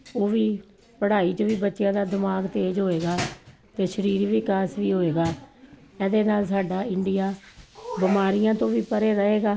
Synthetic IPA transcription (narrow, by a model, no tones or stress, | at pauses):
oːʋiː | pəɽaːiːt͡ʃəʋiːbətːʃjãːd̪aːd̪ɪmaːɡt̪eːd͡ʒɦoːeːɡaː | t̪eːʃəɾiːɾʋikaːsʋiːɦoːeːɡaː | ɛːd̪eːnaːlsaːɖaːɪɳɖɪjaːbɪmaːɾɪjãːt̪õːʋiːpəɾeːɾəɦeːɡaː